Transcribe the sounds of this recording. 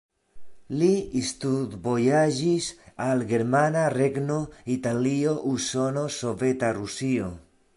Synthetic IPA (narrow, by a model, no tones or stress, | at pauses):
liist̪ud̪bojad͡ʒisalɡeɾmanareɡnoit̪alioʔuso̞no̞sovet̪arusio